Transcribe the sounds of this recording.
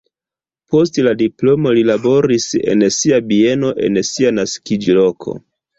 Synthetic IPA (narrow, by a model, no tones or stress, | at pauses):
po̞stladiplo̞mo̞lilabo̞ɾise̞̰nsiabie̞no̞ʔe̞̰nsianaskid͡ʒlo̞kʰo̞̰